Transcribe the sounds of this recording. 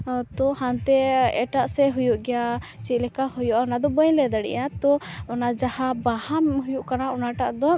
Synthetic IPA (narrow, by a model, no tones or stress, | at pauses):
t̪ɔhant̪ɛɛʈaʔsɛɦujuʔɡɛjat͡ʃit̪̚ˀlɛkahɔjɔʔanad̪ɔbəɲlɛd̪əɽɛ̰jat̪ɔɔnad͡ʒahabahamɦujuʔkanaɔnaʈaʔd̪ɔ